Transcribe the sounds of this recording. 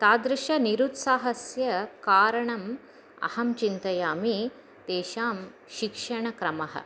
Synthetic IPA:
t̪aːd̪ɾɪʃɐniɾut̪saːɦɐsjɐkaːɾɐɳɐm | ɐ̰hɐmt͡ʃint̪ɐjaːmi | d̪eːʃaːm | ʃikʂɐɳɐkɾɐmɐɦɐ̰

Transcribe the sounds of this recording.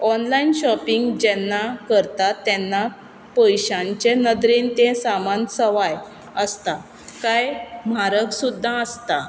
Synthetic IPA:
ɔnlainɕɔpiŋɡd͡ʑɛnːakəɾt̪at̪ːɛnːa | pəjɕãɲt͡ɕenəd̪ɾiːnt̪ẽsamansəʋaj | əst̪a | kajmaɾəksud̪ʱːãəst̪a

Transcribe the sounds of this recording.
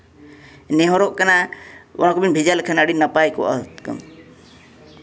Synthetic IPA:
nɛɦɔɾɔʔkanaɔ̰nakɔbinbʱid͡ʒalkʰanaɽinːapajkɔʔa̰t̪kə̰m

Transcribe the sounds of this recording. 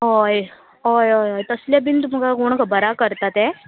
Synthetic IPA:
ɦoj | ɦojojɦojt̪əsljabint̪̬umkaɡoɳ̃kabəɾakəɾt̪at̪ɛ

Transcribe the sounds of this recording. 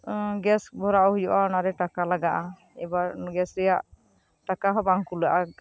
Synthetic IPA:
ɡɛsbʱɔɾaʔɔhujɔʔanaɾɛʈakalaɡaʔa | ɛbaɡɛsɾɛjaʔ | ʈakaɦɔbaŋkulaʔa

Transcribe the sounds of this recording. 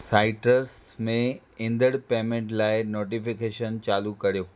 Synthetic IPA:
saːɪʈəɾsmẽ | ɪ̃nd̪əɽpeːmẽɳʈlaːɪnoːʈ̬ifɪkeːʃənt͡ɕaːlukɐɾijoː

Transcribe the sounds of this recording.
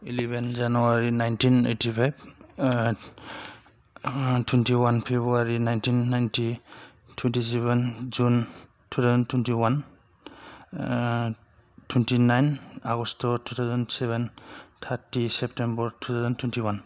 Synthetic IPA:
ilɛbɛnzanuaɹinajntʰinḛtʰipʰajb | tʰwɛntiwanpʰebuaɹinajntʰinːajntʰi | tʰwɛntis̬ɛβɛnd͡ʒun | tʰutʰawzɔntʰwɛntiwan | tʰwɛntinajnaɡɔstɔtʰut̪ʰawzɔnsɛβɛntʰatisɛp̚tembɔɹtʰut̪ʰawzɔntʰwɛntʰiwan

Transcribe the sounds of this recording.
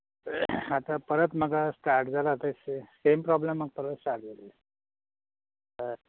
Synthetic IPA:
at̪apəɾət̪m̤əɡʱasʈaɾʈd͡zalat̪əssempɾɔblemːəɡ̚pəɾət̪sʈaɾʈ̚d͡zale | ə

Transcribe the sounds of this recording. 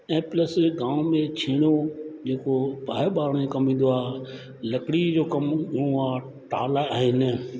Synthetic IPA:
eːpləsɡãːmẽt͡ʃʰeːɽ̃od͡ʑeːkopaːɪɓaːɾɽmẽkɐmĩːn̆d̪oaː | lɐkɽid͡ʑoːkɐmɡʱʊɽ̃oaː | ʈaːlaaːɦɪnɪ

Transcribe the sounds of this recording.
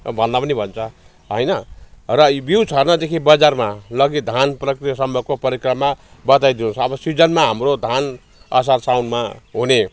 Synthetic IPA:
bʱʌnd̪apʌnibʱʌnt͡sʰʌ | ɦʌjnʌrʌbiwt͡sʰʌrnʌd̪ekʰibʌd͡zarmalʌɡid̪ʱanprʌkrijʌsʌmbʌkopʌɾikrʌmabʌt̪ajd̪inut͡sʰʌːbʌsid͡zʌnmaɦamrod̪ʱan | ʌ̰s̬arsawnmaɦune

